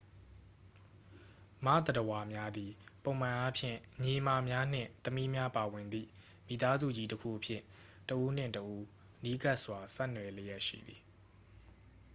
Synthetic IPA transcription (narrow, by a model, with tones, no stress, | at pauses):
ma̰˦˨d̪ə˨təwa˨mja˦d̪i˨põ˨ʊ̃mã˨ʔa˦pʰjɪ̰̃˦˨ɲe˨ma˨mja˦n̥ɪ̰̃˦˨t̪əmi˦mja˦pa˨wɪ̃˨nd̪ḭ˦˨ | mi˨t̪a˦zṵ˦˨d͡ʑi˦təkʰṵ˦˨ʔəpʰjɪ̰̃˦˨ | təʔu˦n̥ɪ̰̃˦˨ntəʔu˦ | əni˦ka˦ʔswa˨sɛ˦˨nwɛ˨le˦jɛ˦ʔʃḭ˦˨d̪ði˨